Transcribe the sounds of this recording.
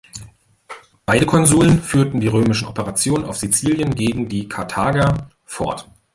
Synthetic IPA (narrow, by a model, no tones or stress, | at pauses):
b̥aɪɾəkʰɔnzuːlənfyːɐtn̩diːʁøːmɪʃn̩ɔpəʁat͡sjoːnnaʊfz̥it͡siːljənɡeːɡŋ̩diːkʰaɐtʰaːɡɐ | fɔ̰ɐt